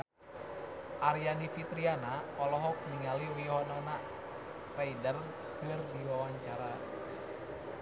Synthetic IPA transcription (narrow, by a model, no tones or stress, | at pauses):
ʔaɾijanifit̪ɾianaɔlɔɦɔk̚niŋaliwiɦɔnana | raidər | kɨrdiwawaɲt͡ʃaɾa